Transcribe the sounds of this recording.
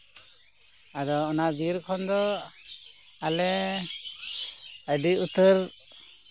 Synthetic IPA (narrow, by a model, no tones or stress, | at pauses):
ad̪ɔːnabiɾkʰɔnd̪ɔ | alɛ | əɖiut̪əɾ